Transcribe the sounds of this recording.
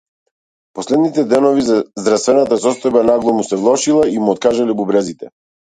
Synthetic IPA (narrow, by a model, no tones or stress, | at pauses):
pɔslɛd̪nit̪ɛd̪ɛnɔvizazd̪ɾast̪vɛnat̪asɔst̪ɔjbanaɡlˠɔmusɛvlˠɔʃilˠaimuɔt̪̚kaʒalɛbubɾɛzit̪ɛ